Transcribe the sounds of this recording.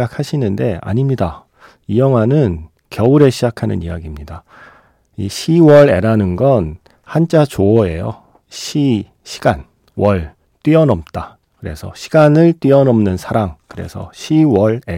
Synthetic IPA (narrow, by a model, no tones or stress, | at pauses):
ak̚ʰaɕʰinɯnde̞a̰ɲimɲida | ijʌŋwanɯn | kjʌuɾe̞ɕʰid͡ʑakʰanɯ̰nijaɡimɲida | iɕʰiwʌɾe̞̰ɾanɯnɡʌn | hant͡ɕ͈at͡ɕoʌe̞jo̰ | ɕʰi | ɕʰi̥ɡ̥an | wʌɭ | t͈ɥiʌnʌp̚t͈a | kɯɾe̞̰sʰʌ̰ɕʰi̥ɡanɯɭt͈ɥiʌnʌmnɯnsʰaɾaŋkɯɾe̞̰sʰʌ̰ɕʰiwʌɭe